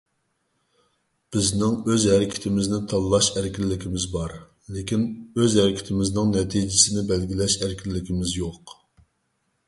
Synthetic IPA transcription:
b̥ɪznɪŋøzhæɾɪkʲʰɪ̥t̪ʰɪmɪznɪt̪ʰɑllːˠɑʃæɾɪkʲilːɪkʲʰimɪzbɑɾ | lɪkʲinøzhæɾɪkʲʰɪ̥t̪ʰɪmɪznɪŋnɛt̪ʰid͡ʒɪsɪnɪbɛlɡʲilɛʃæɾkʲʰilːɪkʲimɪzjoq

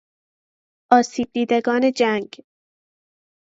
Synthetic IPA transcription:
ʔɒːsiːb̚d̪iːd̪eɡɒːne̞d͡ʒæŋɡ

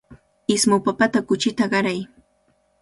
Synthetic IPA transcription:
ɪsmʊpapat̪akʊt͡ʃɪt̪aɢɑɾaj

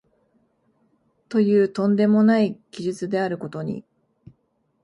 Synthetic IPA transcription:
t̪o̞jɯ̟ːt̪õ̞nd̪e̞mo̞naikʲiʑɨt͡sɨd̪e̞aɾɯ̟ko̞t̪o̞ɲ̟ḭ

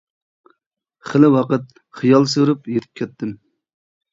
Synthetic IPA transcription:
χəlɪwɑqət̪̚ | χijɑlˠsøɾupjet̪ʰɪ̥p̚kʲʰɛt̪ʰːɪm

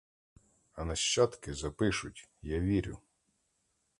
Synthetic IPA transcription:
ɐnɐʃt͡ʃɑt̪kɪzɐpɪʃʊtʲjaʋʲiɾʲʊ̰

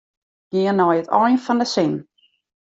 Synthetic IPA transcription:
ɡ̥ɪːənɔjətʰɔ̰jnfɔndəsɪn

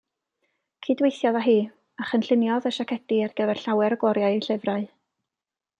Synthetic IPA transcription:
kʰiːdwejθjɔðaɦiː | aχənɬɪnjɔðəʃakʰɛd̥iarɡ̥əðɛrɬawɛɾɡ̥wɔɾjaɨiɬɪvraɨ

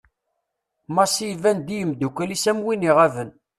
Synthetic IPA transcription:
mɑsijvænd̪ijəmd̪ukʷælisæmwiniʁævən

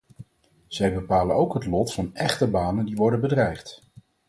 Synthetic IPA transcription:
z̥ɛjbəpaːlənowkɦətlɔtfɑnɛχtəbaːnəndiʋɔɹdənbədrɛjχt

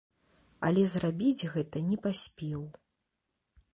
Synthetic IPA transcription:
ɐ̰lʲɛzrabʲid͡zʲɣɛt̪ɐnʲɛpasʲpʲɛw

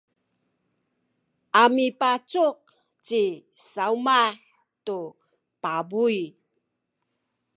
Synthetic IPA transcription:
ʔamipat͡suq̚ | t͡ɕisaumaħ | tu | pabuj

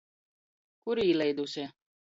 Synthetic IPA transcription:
kuɾiːlʲˠɛjd̪usʲi

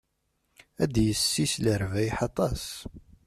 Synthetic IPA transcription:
æd̪jəsːisləɾvæjħɑt̪ˤɑs

